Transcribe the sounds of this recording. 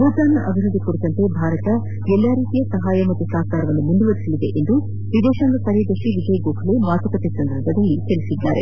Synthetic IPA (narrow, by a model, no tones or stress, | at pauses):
buːt̪aːnɐʔɐbʱiɾud̪ikoɽit̪ɐnt̪ebʱaːɾɐt̪ɐ | ɛlːaːɾiːt̪ijɐsɐɦaːjɐmɐt̪ːusaːkaːɾɐʋɐnːumunduʋɐɾisɐlid̪eʔend̪u | ʋid̪ɛːʃaːnd̪ɐkɐɾejd̪ɐʂʈiʋid͡ʒɐjɐɡoːkʰɐlemaːt̪ɐkɐt̪esɐnd̪ɐɾbʱɐd̪ɐlːik̪elisid̪ːa̰ːɾe̞̰